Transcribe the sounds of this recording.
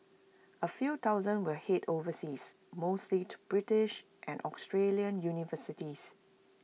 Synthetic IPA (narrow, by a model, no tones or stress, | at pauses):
əfjuːt̪aʊzə̃nwəhetʰovəsis | moslitʰub̥ɹɪtɪʃ | ʔɛ̃nʔɔstɹeliə̃njunivəsɪtis